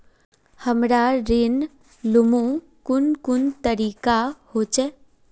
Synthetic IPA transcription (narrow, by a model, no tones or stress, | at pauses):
həmɾaɾɪn | lʊmũ | kʊnkʊnt̪əɾiːkahoːt͡ʃɛː